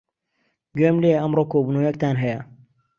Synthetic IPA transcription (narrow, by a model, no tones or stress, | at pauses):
ɡemleʔɐmɾokoːbunoːjɐk̚t̪aːnɦɐjɐ